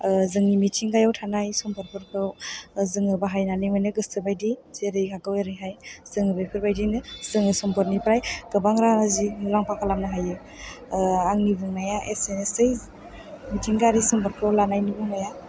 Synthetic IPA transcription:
zɯŋnimitʰiŋɡajawtʰanajsɔmpʰɯɾpʰɯɾkʰɾɯwzɯŋɯbaɦajnanɯmanɯɡɯstɯbajdizeɾɯjkʰaɡɯweɾɯjɦajz̥ɯŋɯbajpʰɯɾbajdinɯzɯŋɯsɔmpʰɯɾnipɾajɡ̥ɯbaŋɾaazilaŋpʰakʰalamnɯɦajɯ | aŋnibɯŋnajaʔḛsenesej | mitʰiŋɡaɾisɔmpʰaɾkʰɾawlanajnibuŋnaja

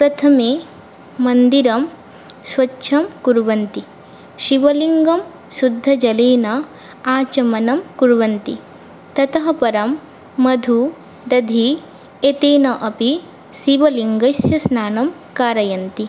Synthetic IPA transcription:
pɾɐt̪ʰɐmeː | mɐnd̪iɾɐm | sʋɐtːʃʰɐmkuɾʋɐnt̪i | ʃiʋɐliŋɡɐm | sud̪ʱːɐd͡ʒɐleːnɐ | aːt͡ʃɐmɐnɐmkuɾʋɐnt̪i | t̪ɐt̪ɐɦɐpɐɾɐmː | ɐd̪ʱu | d̪ɐd̪ʱi | et̪eːnɐʔɐpi | siʋɐliŋɡɐsjɐsnaːnɐm | kaːɾɐjɐnt̪i

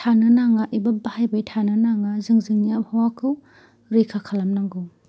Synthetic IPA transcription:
tʰanɯnaŋaʔibabahajbajtʰanɯnaŋazɯŋzɯŋniap̚hawakʰɯw | ɾikʰakʰalamnaŋɡɯw

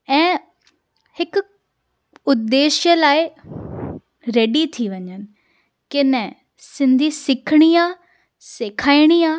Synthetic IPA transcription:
ɛ̃ː | hɪk | ʊd̪ːeːʃjəlaːɪ | ɾɛːɖit̪ʰiʋɐɲən̆ | kɪnɛ̃ | sɪ̃nd̪ʱisɪkʰɽ̃iaː | seːkʰaːiɽ̃iaː

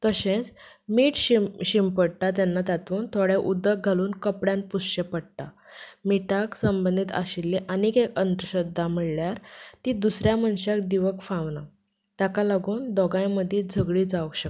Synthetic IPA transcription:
t̪əɕẽt͡smiːʈɕɕimpəɽʈat̪̬janːat̪at̪uːnt̪ʰoɽeʔud̪ək̚ɡʱaluːnkəpɽjãn̚pusɕepəɽʈ̪amiʈaksəmbənd̪ʱit̪a̰ɕilːiʔanikekənt̪ɾəɕəd̪ʱːaməɭljaɾt̪iːd̪usɾjamənɕak̚d̪iʋəkfãʋna | t̪jakalaɡuːnd̪ɔɡãjməd̪ʱjed͡zʱəɡɭiːd͡zaʋəkɕək

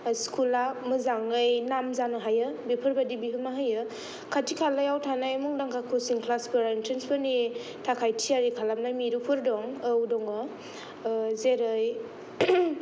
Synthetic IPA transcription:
skʰulamɯzaŋɯjnamzanɯɦajɯbipʰɯɾbadibiɦɯmaɦajɯ | kʰatʰikʰalajawtʰanajmuŋdaŋkʰakʰosiŋkʰlaspʰɯɾaintɾenspʰɯni | tʰakʰajtʰiaɾikʰalamnajmiɾupʰɯɾdɔŋɯwdɔŋɯ | zeɾɯj

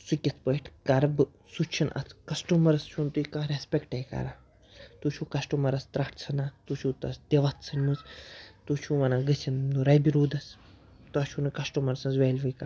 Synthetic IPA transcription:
sukʲɐt̪ʰpəjʈʰkɐɾɐbɨ | sut͡ʃʰinʔɐ̰t̪ʰkɐsʈumɐɾɐst͡ʃʰunt̪uikãːɾespʲekʈɐjkɐ̰ɾaː | t̪ut͡ʃʰuːkɐsʈumɐɾɐst̪ɾɐʈʰt͡sʰɐnaːt̪ut͡ʃʰut̪ɐsd̪ʲeʋɐt̪ʰsɐnʲmuzt̪ut͡ʃʰuːʋɐnaːɡɨsʰinduɾɐjbiɾuːd̪ɐs | t̪uɐt͡ʃʰunɨkɐsʈumɐɾsɐnzʋeːlʲʋɨjkɐ

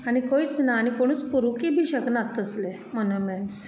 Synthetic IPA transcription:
aɽ̃ikoit͡snaːñikoɽ̃ũːt͡spuɾukibʱiːɕəknat̪ːəsle | mənəmɛɳs

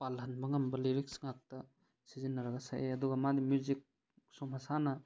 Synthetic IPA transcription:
palɐnbɐŋɐmbɐliɾik̚sŋak̚tɐ | sizinːɐɾɐɡasa̰ʔeɐduɡɐmadimjuzik̚ | somhasanɐ

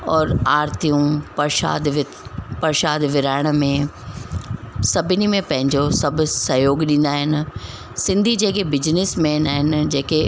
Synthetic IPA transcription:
ɔːɾaːɾt̪ijũpɐɾʃa̰ːd̪ʋ | pɐɾʃaːd̪ʋɪɾaːɪɽ̃mẽ | sɐbʱɪnimẽpɐ̃ɦɪ̃ɲd͡ʑosɐbʱʊsɐɦjoːɡɗĩːnd̪aɦɪnɪ̆ | sɪ̃nd̪ʱid͡ʑeːkebɪd͡ʑnɪsmeːnaːɦɪnɪd͡ʑeːke

